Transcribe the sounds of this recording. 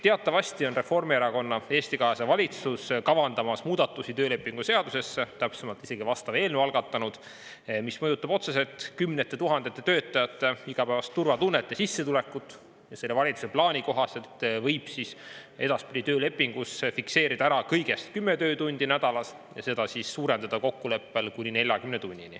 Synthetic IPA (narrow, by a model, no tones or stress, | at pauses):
t̪e̞ɑt̪ˑːɑvɑst̪io̞nre̞fo̞rmieɾɑko̞nːɑe̞ːst̪ikɑɦesɑvɑlʲit̪suskɑvɑnd̪̥ɑmɑsmuːd̪̥ɑt̪ːˑusit̪øːle̞pːˑiŋɡ̥use̞ɑd̪use̞sːet̪æpsemɑlt̪ˑi̥se̞ɡ̥ivɑst̪ɑve̞ːlnuɑlɡ̥ɑt̪ːˑɑnud̪̥ | mismɤjut̪ːˑɑbo̞t̪se̞se̞lt̪ˑkymnet̪ːˑe̞t̪uɦɑnd̪̥e̞t̪ːˑe̞t̪ø̞ːt̪ːˑɑjɑt̪ːeiɡ̥ɑpævɑst̪ːurvɑt̪unːet̪ːˑesisːe̞t̪ule̞kːˑut̪ːˑ | jɑse̞lːevɑlʲit̪su̥se̞plɑːnʲiko̞ɦɑset̪ːvɤjb̥sise̞d̪ɑspid̪it̪øːle̞pːˑiŋɡ̥usfikse̞ːɾid̪ɑæɾɑkɤjɡ̥e̞st̪̚kymːet̪ø̞ːt̪unʲd̪̥inæd̪̥ɑlɑs | jɑ̰se̞d̪̥ɑsisːuːɾe̞nd̪ɑd̪ɑko̞kːule̞pːe̞lkunʲine̞lʲjɑkymnet̪unʲːini